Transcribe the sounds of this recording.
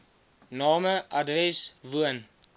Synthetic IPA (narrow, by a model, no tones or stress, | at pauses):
nɑːməʔɐdrɛsvuən